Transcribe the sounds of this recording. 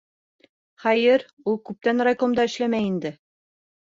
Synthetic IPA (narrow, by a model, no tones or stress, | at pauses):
χɑjɘɾ | ulˠkʉp̚t̪ænrɐjkomd̪ɑɘ̆ʃlæmæjind̪ɘ